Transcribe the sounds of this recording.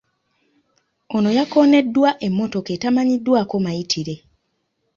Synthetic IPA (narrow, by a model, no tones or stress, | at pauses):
o̞no̞jako̞ːne̞dːwaʔe̞mːo̞to̞ketamaɲidːwaːko̞maitʰiɾe̞